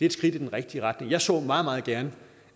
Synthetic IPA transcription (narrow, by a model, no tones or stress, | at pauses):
d̥e̝d̥sɡ̥ʁid̥id̥enʁɛɡ̥̚d̥iəʁɑ̈d̥ne̝ŋjɑɪsɔ̰̽ːmɑ̈ːðˠmɑ̈ːð̩ˠɡ̥æɐnə